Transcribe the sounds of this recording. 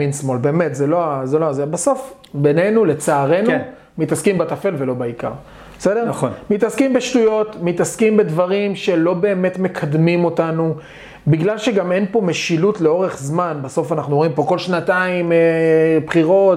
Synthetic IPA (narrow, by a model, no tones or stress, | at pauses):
insmo̞lbe̞ːmet̪zelo̞azeloazebaso̞f | be̞ne̞nule̞t͡saːʁe̞n | mit̪askimbatafe̞lve̞lo̞baika̰ʁ | esedeʁnnmitaskimbeʃtujo̞tmitaskimbe̞dvaʁimʃe̞lo̞be̞ːme̞tme̞kʰad̪mimo̞tanu | biɡlalʃe̞ɡame̞npo̞me̞ʃilutleo̞ʁe̞χzmanbaso̞fanaχnuoimpo̞ko̞lʃnataim | pχiʁo̞t